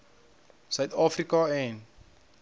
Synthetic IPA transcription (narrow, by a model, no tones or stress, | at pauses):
sawt̪ʰafrikaɛ̃n